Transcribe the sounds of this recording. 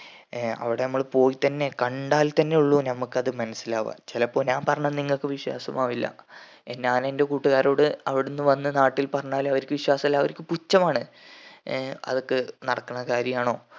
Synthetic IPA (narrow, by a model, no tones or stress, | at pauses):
ɐ̰ʋiɽe̞nɐmːɐɭpo̞ːjit̪ɐnːe̞kɐɳɖaːlt̪ɐnːe̞uɭːunɐmukːɐðɨmɐnɐsːilaːʋɐ̰t͡ɕelɐpːo̞ːɲaːmpɐrɐɲːɐnniŋːɐɭkːɨʋiɕwa̰ːsɐ̰maːʋilːɐ̰ | enːaːnende̞kuːʈːuɣaːɾo̞ːɽɨɐʋiɽunːɨʋɐnːɨnaːʈːilpɐrɐɲːaːlɐʋɐɾikʲːɨʋiɕwaːsɐilːɐʋɐɾikʲːɨput͡ɕːɐmaːɳɨ | ɐ̰ðo̞kːɨnɐɽɐkːɐɳːɐkaːɾjɐmaːɳo̞ː